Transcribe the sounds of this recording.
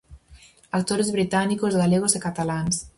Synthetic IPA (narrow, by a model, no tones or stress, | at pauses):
ak̚t̪oɾezβɾit̪anikozɣaleɣ̞osekat̪alans